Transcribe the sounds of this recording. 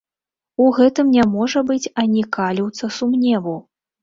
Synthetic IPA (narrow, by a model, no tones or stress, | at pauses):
uɣɛt̪ɨmnʲamɔʐɐbɨt͡sʲanʲikalʲiwt̪sɐsumnʲɛvuw